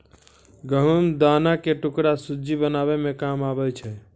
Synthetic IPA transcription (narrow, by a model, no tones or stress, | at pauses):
ɡəɦumd̪anakeʈukɽasud͡ʒibənaβemekamabɛt͡ʃʰɛ